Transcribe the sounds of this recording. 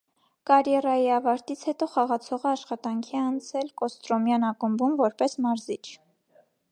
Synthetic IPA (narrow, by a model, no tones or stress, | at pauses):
kɑɾjɛɾɑjiɑvɑɾt̪it͡sʰhɛt̪ɔχɑʁɑt͡sʰɔʁəɑʃχɑt̪ɑŋkʰiɛɑnt͡sʰɛlkɔst̪ɾɔmjɑnɑkəmbumvɔɾpɛsmɑɾzit͡ʃʰ